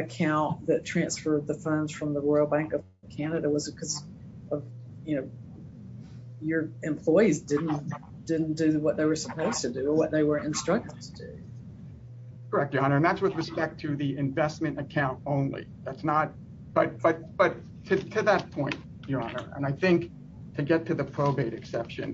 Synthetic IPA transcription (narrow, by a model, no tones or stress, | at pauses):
ɨkʰãʊ̃nðɨtʰɹ̥æ̃nsfɜ˞d̪̚ðɨfʌ̃ndz̥fɹʌ̃mðəɹɔɪlˠbæ̃ŋkʌv̥ | kʰænɨɾəwʌzɨkʰʌz | ʔʌv | jɨnoʊ | jə˞ɨ̃mpʰl̥ɔɪizdɪdⁿn̩ | d̥ɪdⁿn̩d̥ɨwʌt̪̚ðeɪwə˞səpʰoʊz̥tʰɨdɨə˞wʌt̪̚ðeɪwə˞ɨ̃nstɹ̥ʌk̚tɨv̥tʰɨdʉ̰ | kʰə˞ɛk̚tjɑ̃nə˞ɨ̃nðætswɨðɹɨspɛk̚tʰɨðiɨ̃ɱvɛsmɨ̃ñtɨkʰãʊ̃ntõʊ̃nlḭðætsnət̚ | b̥ʌt̚b̥ʌt̚b̥ʌtʰ | ɨtʰɨðət̚pʰɔ̃ɪ̃nt | jəɑnə̰˞ʔə̰̃naɪθɪ̃ŋk | tʰɨɡɛtʰɨðɨpʰɹ̥oʊbeɪɾɨksɛpʃɨ̰̃n